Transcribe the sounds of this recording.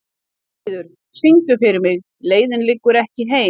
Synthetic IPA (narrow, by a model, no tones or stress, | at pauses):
ðʏɾ̥ | siŋkʏfɪɾɪɾmɪɣ | leːjðɪnlɪkːʏɾɛhcɪɦeː